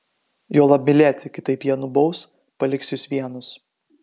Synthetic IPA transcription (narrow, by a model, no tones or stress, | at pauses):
joːlˠɐb̚ʲmʲɪlʲeːt̪ʲɪkʲɪt̪ɐɪpjiɛnʊbɐʊs | pɐlʲɪksʲjʊsʋʲiɛnʊs